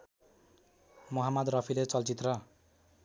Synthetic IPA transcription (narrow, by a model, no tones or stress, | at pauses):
moɦamʌd̪rʌpʰilet͡sʌlt͡sit̪rʌ